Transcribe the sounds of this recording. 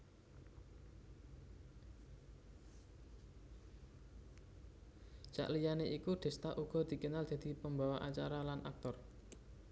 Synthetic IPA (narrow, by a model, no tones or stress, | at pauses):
t͡ʃa̰ʔlijaneʔikuɖ̪̥ɛ̤st̪aʔuɡ̥ɔ̤d̪̥i̤kənald̪̥ä̤d̪̥i̤pəmbawaʔat͡ʃaɾalanʔa̰k̚t̪ɔr